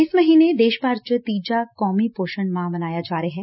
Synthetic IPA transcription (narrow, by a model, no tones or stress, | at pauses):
ɪsmɐɦiːned̪eːʃpaːɾt͡ʃət̪iːd͡ʒakɔːmipoːʃənmãmɐnaːjad͡ʒaːɾəɦɛː